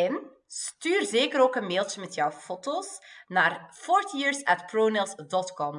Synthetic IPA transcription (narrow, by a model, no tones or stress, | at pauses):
ɛn | styːrzeːkəɾoːkənmeːlˠt͡ʃəmɛtjœwfotoːsnaːrfɔːɹtijiːɹsɛtproːnɪlˠsdɔtkɔm